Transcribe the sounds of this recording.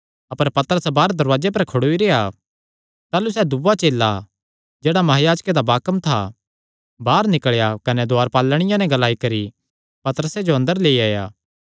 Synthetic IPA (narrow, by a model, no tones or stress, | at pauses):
ɐpəɾpɐt̪əɾəsbaːɾd̪ɐɾʋaːd͡ʒep̬ɐɾkʰʊɽoːiɾeːa | t̪aːlusɛːd̪uʋat͡ʃeːlːa | d͡ʒeːɽamɐɦaːjaːd͡ʒked̪abaːkəmt̪ʰa̰ | baːɾnɪkɭjakɐnɛd̪oaːɾpaːlːɽ̃ɪjãnɛ̃ɡɐlaːikɐɾi | pɐt̪əɾəsed͡ʒoɐ̃nd̪əɾleːiaːja̰ː